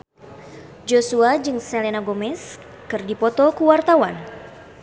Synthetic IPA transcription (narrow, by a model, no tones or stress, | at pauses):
d͡ʒosuad͡ʒɨŋsɛlenaɡomɛs | kɨrdipɔt̪ɔkuwart̪awan